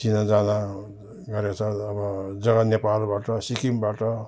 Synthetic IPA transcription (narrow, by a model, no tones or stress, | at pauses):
t͡ʃinad͡zana | ɡʌɾjat͡sʰʌːbʌd͡zʌɡanepalbaʈʌsikimbaʈʌ